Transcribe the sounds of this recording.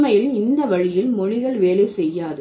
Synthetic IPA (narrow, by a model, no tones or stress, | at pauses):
mɐjɪlɪnd̪ɐʋɐɻɪjɪlmɔɻɪɣɐɭʋeːleɪsɛjːaːðɯ